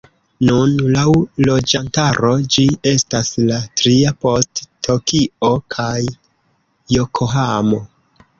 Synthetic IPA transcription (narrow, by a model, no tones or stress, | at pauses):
nunlawlo̞d͡ʒantaɾo̞d͡ʒie̞staslatɾiapo̞stːo̞kio̞kʰajː | okʰoɦamo̞